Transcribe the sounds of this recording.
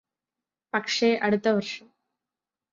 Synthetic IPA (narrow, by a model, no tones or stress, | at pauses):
pɐkʂeʔɐɽut̪ːɐʋɐrʂɐm